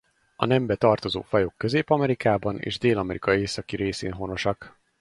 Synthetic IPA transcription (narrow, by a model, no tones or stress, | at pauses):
ɒ̰nɛmbɛt̪ɒrt̪o̞zo̰ːfɒjokːø̞zeːpɒmɛɾikaːbɒnḛːʒd̪eːlɒmɛɾikɒeːsɒkiɾeːsḛːnɦo̞no̞ʃɒk